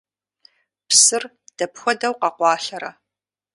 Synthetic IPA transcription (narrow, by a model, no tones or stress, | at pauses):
psɨr | d̥ɐpxʷɔdɐwqɑqʷɑːɬɐɾɐ